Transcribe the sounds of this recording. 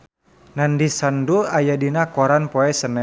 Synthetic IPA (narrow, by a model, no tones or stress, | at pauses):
nandisanduajadinakɔɾanpɔɛsənɛ